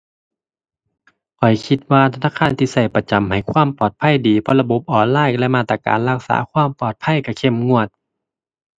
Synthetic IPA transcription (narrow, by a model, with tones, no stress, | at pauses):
kʰɔ˨˩jkʰi˧t̪̚waː˧t̪ʰa˧naː˧˥˨kʰaː˧˥˨nt̪ʰiː˧sa˧˩jpa˧t͡ɕa˨˦mɦa˨˩jkʰwaː˧˥˨mpɔː˨˩t̪̚pʰa˧˥˨jdiː˨˦pʰɔ˧la˧bo˧˦p̚ʔɔː˨˩nlaː˧˥˨jlɛ˧˨maː˧˩t̪ːa˧ka̰ː˨˦nla˧k̚sa̰ː˩˦kʰwaː˧˥˨mpɔː˨˩t̪̚pʰa˧˥˨jka˧˩kʰe˧˥˨mŋu˧˩ət̪̚